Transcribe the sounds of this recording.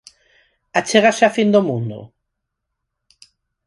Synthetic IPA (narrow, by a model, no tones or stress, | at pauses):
at͡ʃeɣasafind̪omũnd̪ʊ̰